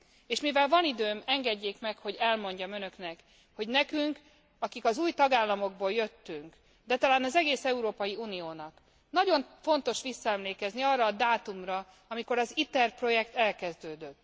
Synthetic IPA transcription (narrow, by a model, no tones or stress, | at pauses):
eːʃmivɛlvɒnid̪øːmɛŋɡɛɟːeːkmɛkho̞ɟɛlmo̞ɲɟɒmø̞nø̞knɛk | ho̞ɟnɛkyŋk | ɒkikɒzuːjt̪ɒɡaːlːɒmo̞ɡ̚boljøt̪ːyŋk | d̪ɛt̪ɒlaːnɒzɛɡeːsɛuɾoːpɒjiuːnijoːnɒk | nɒɟo̞ɱfo̞nt̪o̞ʃʋisːɒɛmleːkɛzniɒrːɒːd̪aːt̪umrɒ | ɒmiko̞ɾɒzit̪ɛrpro̞jɛkt̪ɛlkɛzd̪øːd̪øt̪ː